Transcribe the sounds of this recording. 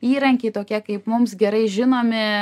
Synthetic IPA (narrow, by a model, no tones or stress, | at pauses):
iːɾɐŋʲkʲeɪt̪oːkʲiɛkɐɪpmʊmsɡʲɛɾɐɪʒʲɪnoːmʲɪ